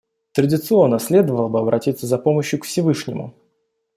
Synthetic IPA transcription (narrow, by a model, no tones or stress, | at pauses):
t̪ɾədʲɪt̪sɨo̞nːəsʲlʲe̞d̪əvəlˠəbɨɐbɾʔɐtʲit̪səzɐpo̞məɕjʊkfsʲɪvɨʂnʲɪmʊ̰